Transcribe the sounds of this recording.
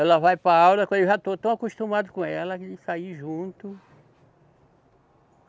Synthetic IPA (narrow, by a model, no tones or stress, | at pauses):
ɛlɐvajpɾaawlɐkwɐ̃deʒat̪ot̪ɐ̃w̃akuʃt̪ũmad̪ʊkõɛlɐd͡ʒɪsaiʒũt̪ʊ